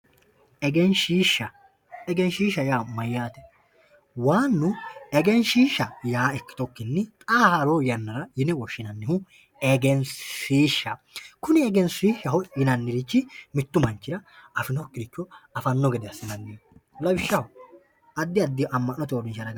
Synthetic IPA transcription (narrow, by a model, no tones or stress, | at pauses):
ʔɛɡɛnʃiːʃːɐ | ɛɡɛnʃiːʃːɐjaːmɐjːaːt̪ɛ̥ | waːnːʊɛɡɛnʃiːʃːɐjaːɛkːɪ̥t̪ɔkːɪnːɪt̪ʼaːhaɾoːjɐnːɐɾɐjɪnɛwɔʃːɪnɐnːɪhʊ | ɛɡɛnʃiːʃːɐ | kʊnɪɛɡɛnsiːʃːɐhɔɪnɐnːɪɾɪt͡ʃːɪmɪt̪ːʊmɐnt͡ʃːɪɾɐɐfɪnɔkːɪd̪ɪkːɔɐfɐnːɔɡɛd̪ɛɐsːɪnɐnːilɐwɪʃːɐhʊ | ʔɐd̪ːɪɐd̪ːɪɐmːɐnːɔt̪oːɾɪnʃɐɾɐɡ